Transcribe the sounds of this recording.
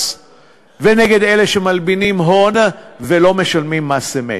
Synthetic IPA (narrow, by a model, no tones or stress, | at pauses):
veneɡe̞d̪eleʃemalbinimɦonavelo̞me̞ʃalmimːasemḛ